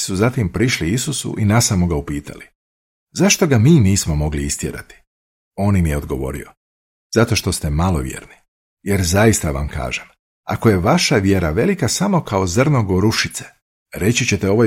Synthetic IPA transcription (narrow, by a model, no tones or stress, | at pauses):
suzat̪impɾiʃliisusṵʔinasamoɡaupiːt̪ʰa̰li | zaʃt̪o̞ɡamiːniːsmo̞mo̞ɡliist̪jḛɾa̰t̪i̥ | o̞ːnimijeo̞d̪̚ɡo̞ʋo̞̰ɾḭo̞ | zat̪o̞ʃt̪o̞st̪e̞malˠo̞̰ʋje̞̰ːɾni | je̞ɾzajist̪aʋa̰mka̰ːʒem | a̰ko̞je̞ʋaʃaʋje̞ɾaʋe̞likasamo̞kao̞zrnoɡoɾuʃit̪se̥ | ɾe̞t͡ɕit͡ɕe̞t̪eo̞ʋoj